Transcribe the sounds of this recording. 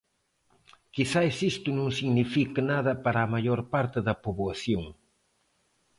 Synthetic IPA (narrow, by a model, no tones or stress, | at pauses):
kisaesist̪ʊnõŋsiɣnifikɪnaðɐpaɾɐːmaʎoɾpaɾt̪ɪðɐpoβwaθjoŋ